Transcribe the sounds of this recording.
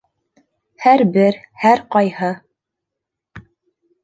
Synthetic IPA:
hæɾbɘɾhæɾqɑjhɤ

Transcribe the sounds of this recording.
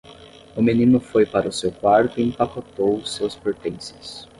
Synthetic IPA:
ʊmĩnĩnʊfojpaɾɐʊsewkwaɾt̪ʊĩpakot̪owsuɐspeɾt̪ẽsɐs

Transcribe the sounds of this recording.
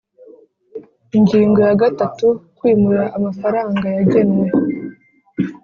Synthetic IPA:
iɲɟiːŋɡo̞jaɡatatukwiːmuɾaʔːmafaɾaːŋɡajaɟe̞nwe

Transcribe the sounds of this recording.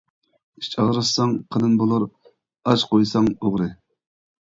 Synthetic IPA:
i̥ʃt͡ʃʰɑʁɾsɑŋqʰənɨnbolˠuɾ | ɑʃqojsɑŋoʁɾɨ

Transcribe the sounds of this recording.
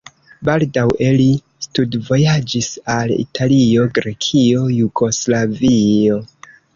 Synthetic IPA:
baldaweli | studvo̞jad͡ʒisalḭtʰalio̞ɡɾe̞kʰio̞juɡo̞slavio̞

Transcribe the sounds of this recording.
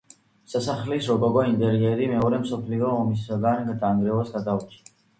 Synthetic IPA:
sasaχlisɾɔkʼɔɡɔint̪ʼɛɾiɛɾimɛɔɾɛmsɔpʰliɔːmisaɡanɡd̪aŋɡɾɛvasɡad̪ʼaut͡ʃʰia

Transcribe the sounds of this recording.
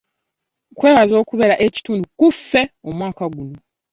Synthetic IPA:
kwe̞ːβazo̞ːkuβe̞ɾaʔeci̥tuːndukufːe̞omwaːkaɡuno̞

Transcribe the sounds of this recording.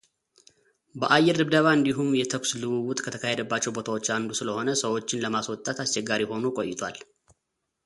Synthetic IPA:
bəʔajːɛɾɨbd̪əβaɨnd̪iɦumjɛt̪ʰəkʷslɨβuwʊt̪ʼkʰət̪ʰəkʰahed̪əbːat͡ʃːɛwbo̞t̪ʰawo̞t͡ʃːand̪usɨləho̞nəsəwo̞t͡ʃːɪnləmaswɔt̪ʼːat̪ast͡ʃːɛɡːaɾiho̞nukʼo̞̰jːɪt̪ʰa̰l

